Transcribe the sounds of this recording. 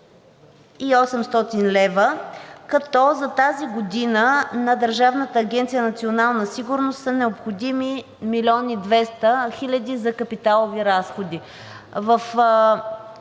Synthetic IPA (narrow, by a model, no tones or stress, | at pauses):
iɔsɛmst̪ɔt̪inlɛvəkɐt̪ɔzɐt̪aziɡod̪inənɐd̪əɾʒavnət̪əːɡʲɛnt̪sijənɐt̪sionalˠnəsiɡʊɾnost̪sənɛopxod̪imi | milʲiɔnid̪vɛst̪əxilʲəd̪izɐkɐpit̪alˠoviɾasxod̪i | vəf